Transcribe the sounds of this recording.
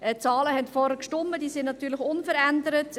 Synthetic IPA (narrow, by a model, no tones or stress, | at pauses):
ɛt͡sɑːləhɛntfɔɾəkʃtɔmːəd̥iːsɪndnɑtyːɾlɪçʊnfəɾændəɾət